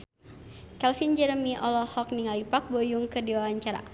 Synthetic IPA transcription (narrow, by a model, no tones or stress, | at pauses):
kɛlfind͡ʒəɾəmiʔɔlɔhɔk̚niŋalipak̚bojuŋkədiwawaɲt͡ʃaɾa̰